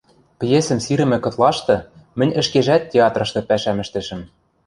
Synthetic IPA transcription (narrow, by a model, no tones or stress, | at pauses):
pjesɘ̆msiɾɘ̆mɘ̆kɤ̆t̪lˠɑʃt̪ɤ̆ | mɘ̆nʲɘ̆ʃkeʒæt̪̚ːʲeɑt̪rɤ̆ʃt̪ɤ̆pæʃæmɘ̆ʃt̪ɘ̆ʃɘ̆m